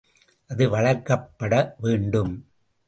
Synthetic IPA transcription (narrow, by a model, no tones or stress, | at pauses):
ʔɐðɯʋɐɭɐɾkːɐpːɐɽɐʋeːɳɖɯm